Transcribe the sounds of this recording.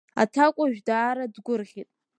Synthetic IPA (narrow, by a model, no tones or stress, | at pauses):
a̰tʰakʷʼaʒᶣdaːɾadɡʷʊrʁʲitʼ